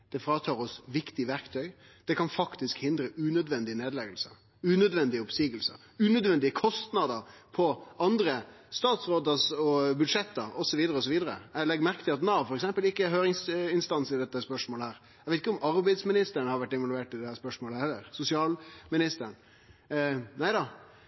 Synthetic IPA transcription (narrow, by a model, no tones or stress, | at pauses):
d̪̥ɛfɾɑːt̪ʰɑːɾɔsʋɪkt̪ɪʋæɾkt̪ʰœʏ | d̪̥ɛkʰɑnfɑkt̪ɪskhɪnd̪ɾəʉːnœd̪ʋɛnd̪ɪəneːd̪lɛɡəlsə̰ | ʉːnœd̪ʋɛnd̪ɪəɔpsiːɡəlsə̰ | ʉːnœd̪ʋɛnd̪ɪəkʰɔst̪nɑd̪əɾpʰɔɑnd̪ɾə | st̪ɑːt̪sɾoːd̪əɾsɔbʉd̪ʂɛt̪ːəɾɔsɔʋiːd̪əɾəɔs̬ɔʋiːd̪əɾə̰ɛlɛɡmæɾkət̪ʰɪlɑt̪nɑfɔɾɛksɛmpəlɪkːəɛɾhøːɾɪŋsɪnst̪ɑnsɪld̪ɛt̪ːəspœʂmoːləhæːɾ | eɪt̪ɪkəɔmɑɾbæɪd̪smɪnɪst̪əəɳəhɑɾʋæʈːɪʋɑlʉeːʈɪd̪ɛæːspœʂmoːləhɛlːəɾsʊsɪɑːlmɪnɪst̪əəɳ | næɪd̪ɑ